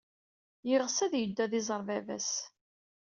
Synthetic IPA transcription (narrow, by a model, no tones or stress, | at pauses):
jɪʁsæðjəd̪ːæðɪzˤəɾˤvævæ̰s